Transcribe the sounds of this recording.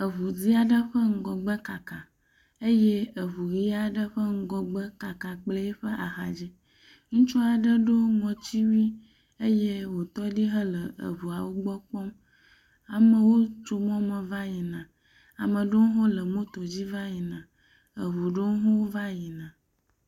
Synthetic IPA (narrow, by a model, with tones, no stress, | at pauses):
ə˨βu˨d͡zi˦a˨ɖə˦ɸə˦ŋ̩˦ɡɔ˨ɡ͡bə˦ka˨ka˨ | ə˦je˦ə˨βu˨ɣi˦a˨ɖə˦ɸə˦ŋ̩˦ɡɔ˨ɡ͡bə˦ka˨ka˨k͡plə˦e˦ɸə˦ʔa˨xa˨d͡ʑi˦ | ŋũ˦t͡ʃɔ˦a˨ɖə˦ɖo˦ŋɔ̃˨t͡ɕi˦wi˦ | ə˦je˦wo˨t̪ɔ˦di˦ɦə˦lə˨ə̰˨βu˨a˨wo˦ɡ͡bɔ˦k͡pɔ˦m | a˨mə̃˨wo˦t͡ʃo˨m˦ɔ̃˦mə˨va˦ji˨nã˨ | a̰˨mə̃˨ɖo˦ŋ̩˦ɦo˦lə˨mõ˦t̪o˨d͡ʑi˦va˦ji˨nã˨ | ə˨βu˨ɖo˦ŋ˦ɦo˦wo˦va˦ji˨nã˨